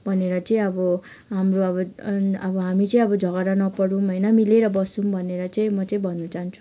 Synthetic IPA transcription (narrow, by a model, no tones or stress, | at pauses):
bʱʌneɾʌt͡sʌĩʌbʌ | ɦamroʌbʌʌbʌɦamit͡sʌĩʌbʌd͡zʱʌɡʌɾanʌpʌɽũmɦʌjnʌmileɾʌbʌsumbʱʌneɾʌt͡sʌĩmʌt͡sʌĩbʱʌnːut͡saɦant͡sʰu̥